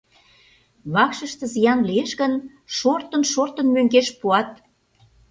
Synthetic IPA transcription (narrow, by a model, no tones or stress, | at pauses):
βɑkʃə̆ʃt̪ə̆zijɑnlieʃɣən | ʃort̪ənʃort̪ə̆nmøŋɡeʃpuɑt̪̚